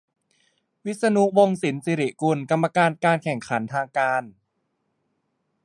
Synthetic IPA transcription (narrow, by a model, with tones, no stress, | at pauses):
wi˦˥t̪̚sa˧nu˦˥wo˧ŋsi˩˦nsi˧ɾi˨˩ku˧nka˧mːa˧kaː˧nkaː˧nkʰɛ˨˩ŋkʰa˩˦nt̪ʰaː˧ŋkaː˧n